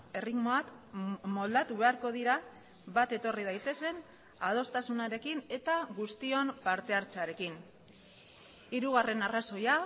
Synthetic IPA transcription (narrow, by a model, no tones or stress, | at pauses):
e̞rit̪mo̞akmo̞ld̪at̪uβe̞aɾko̞ð̞iɾa | βat̪e̞t̪o̞rið̞ajt̪e̞se̞n | að̞o̞st̪asunaɾe̞kine̞t̪aɣust̪io̞mpaɾt̪e̞aɾt͡saɾe̞kin | iɾuɣ̞are̞naraso̞ja